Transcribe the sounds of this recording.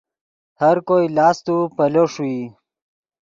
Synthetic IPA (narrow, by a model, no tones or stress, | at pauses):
həɾkojlɑːst̪upəloʂui